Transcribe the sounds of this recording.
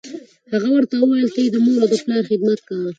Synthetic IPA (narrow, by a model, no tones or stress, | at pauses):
haɣawəɾt̪awəwajəlt̪əed̪əmoɾad̪əplɑɾxɪd̪mat̪̚kaw